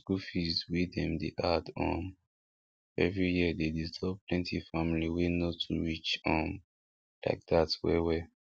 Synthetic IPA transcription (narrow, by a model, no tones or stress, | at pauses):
skufizwidɛ̃mdeʔadɔ̰̃n | ɛvɹijiədedistʰɔb̚pʰlɛ̃ntʰifamliwenotʰuɹit͡ʃɔ̃n | la̰ɪk̚datwɛwɛ